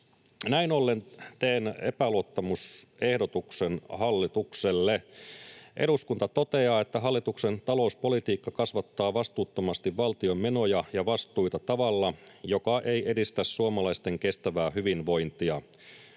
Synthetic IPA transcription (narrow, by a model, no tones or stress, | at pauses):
næino̞lːe̞nt̪eːnḛpæloot̪ːɑmusʔe̞hdo̞t̪ukse̞nhɑlːit̪ukselːe | ʔe̞ɾuskunt̪ɑt̪o̞t̪e̞ɑːe̞t̪ːæɦɑlːit̪ukse̞nt̪ɑlo̞uspo̞lit̪iːkːɑkɑsʋɑt̪ːɑːʋɑst̪uːt̪ːo̞mɑst̪iʋʋɑlt̪io̞mmːe̞no̞jɑjɑʋɑst̪ˑuit̪ɑt̪ɑʋɑlːɑjo̞kɑʔe̞jʔe̞dist̪æssuomɑlɑist̪e̞ŋke̞st̪æʋæːhyʋinʋo̞jnt̪iɑ